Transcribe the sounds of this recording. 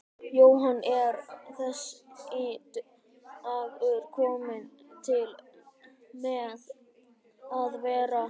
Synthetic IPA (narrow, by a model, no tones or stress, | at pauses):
joːwɦanːʔɛɾθɛsːɪt̪ | avœʏɾ̥kʰɔːmɪnt̪ʰɪl | mɛð | aðvɛːɾa